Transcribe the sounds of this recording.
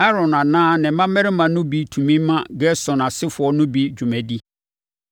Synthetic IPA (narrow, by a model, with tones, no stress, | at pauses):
a˦ɾɔ̃˨nã˨nãː˦nɪ̃˨mã˦mɛ̃˦ɾɪ˦mã˨nʊ̃˦bi˨˦tʰu˨mĩ˦mã˦ɡɛ˦sɔ̃˨nã˨sɪ˦fʊ˨ɔ˦nʊ̃˦bi˦d͡ʑᶣu˨mɛ̃˨di˦